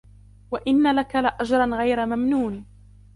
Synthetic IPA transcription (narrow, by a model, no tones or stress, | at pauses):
waʔɪnːalakalɪʔad͡ʒɾˤɑnɣajɾamamnuːn